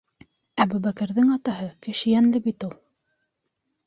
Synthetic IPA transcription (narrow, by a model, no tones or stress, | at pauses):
æbubækɘ̆ɾðɘŋɑt̪ɑɦɤkɘ̆ʃɘ̆jænlɘbit̪ulˠ